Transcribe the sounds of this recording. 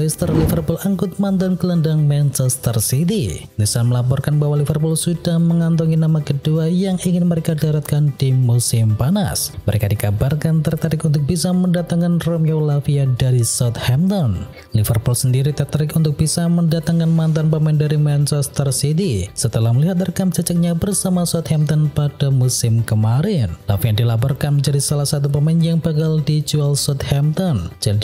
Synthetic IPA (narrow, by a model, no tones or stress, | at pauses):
st̪ərlifərpʊlaŋkʊt̪̚mant̪ankələndaŋmɛnt͡ʃɛst̪ərsit̪i | nisalməlap̬ɔrkanbaɦwalifərpʊlsudahməŋant̪ɔŋinamakəduajaŋʔiŋɪnməɾekadaɾat̪̚kandimusɪmpana̰sməɾekadikabarkant̪ərt̪aɾɪkunt̪̬ʊk̚bisaməndat̪aŋkanromiɔwlafiadaɾisat̪hɛmt̪ɔn | lifərpulsəndiɾit̪ərt̪aɾɪkunt̪ʊk̚b̥isaməndat̪aŋkanmant̪anpəmɛndaɾimɛnt͡ʃɛst̪ərsit̪isət̪əlahməliɦat̪̚ərkamt͡ʃat͡ʃak̚ɲabərsamasuat̪hɛmt̪ɔnpad̥amusɪmkəmaɾɪnlafiadilapɔrkanməɲd͡ʒadisalahsat̪̬up̬əmɛnjaŋbaɡaldid͡ʒualsɔt̪̚hɛmt̪ɔnd͡ʒan